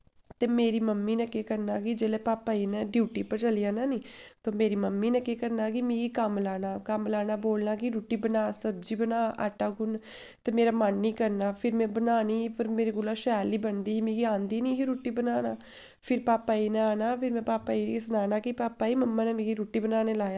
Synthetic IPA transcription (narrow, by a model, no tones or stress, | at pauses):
t̪eːmeːɾiːməmːiːnəkeːkəɾnaːkid͡ʒeːleːpaːpːaːiːnɛ̃ːɖjuːʈiːpəɾt͡ʃəlijaːnaːniːt̪oːmeːɾiːməmːiːnəkeːkəɾnaːkimĩːɡiːkəmlaːnaːkəmlaːnaːboːlnaːkiɾuːʈiːbənaːsəbd͡ʒiːbənaːʔa̰ːʈaːɡʊn | t̪eːmeːɾaːmənːiːkəɾnaːpʰɪɾmɛ̃ːbənaːniːpəɾmeːɾiːɡʊlaːʃɛːliːbənd̪iːiːmĩːɡiãːnd̪iːniːɦiɾuːʈiːbənaːnaː | pʰɪɾpaːpːaːiːnɛaːnaːpʰɪɾmɛ̃ːpaːpːaːisnaːnaːkipaːpːaːiːməmːãːnɛ̃ːmĩːɡiɾuːʈiːbənaːneːlaːjaː